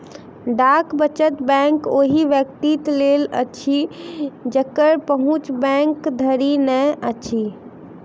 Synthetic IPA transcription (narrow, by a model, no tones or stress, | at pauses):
ɖakbət͡ʃət̪bɛ̃ŋkoɦiʋjəkt̪it̪lelə̰t͡ʃʰi | d͡ʒəkəɾpəɦũt͡ʃbɛ̃ŋkd̪ʱəɾinɛət͡ʃʰi